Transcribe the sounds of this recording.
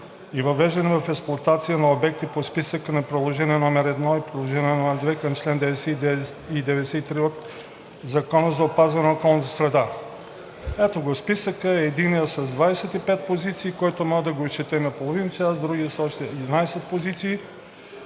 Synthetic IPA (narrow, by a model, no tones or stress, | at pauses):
ivɐvɛʒd̪ɛnɛvɐfɛksplˠoɐt̪at̪sijənɐobɛk̚t̪ipospisəkənɐpɾɛd̪lˠoʒɛniɛnɔmɛɾɛd̪nɔipɾid̪lˠoʒɛnʲiɛnɔmɛɾd̪vɛkɐmt͡ʃlɛnd̪ɛvɛsɛ | id̪ɛvɛd̪ɛsɛit̪ɾiot̪ | zɐkɔnəzɐopazvɛnɛokɔlˠnət̪ə̥sɾɛd̪a | ɛt̪oɡospisəkəɛːd̪inijəsɐzd̪vaɛsɛt̪ipɛt̪̚pozit̪siːkɔjt̪omɔəd̪ɐɡoist͡ʃɛt̪ɛmɛpolˠovinsazd̪ɾuɡʲiəsɔʃt̪ɛd̪inajɛsɛt̪̚pozit̪siː